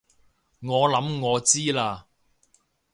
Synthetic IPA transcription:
ŋɔː˨˧lɐ˨˧˥mŋɔː˨˧t͡siː˥laː˧

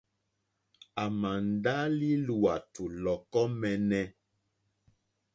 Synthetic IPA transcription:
a˨ma˨n̩˨da˦li˦lu˨a˨tʰu˨lɔ˨kɔ˦mɛ˨nɛ˦

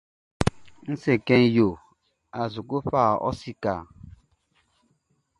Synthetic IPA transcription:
n̩˦se˨kɛ˦njo˨ | a˨zu˨ku˦ɸaː˦˨ɔ̰˦si˦˨ka̰˨

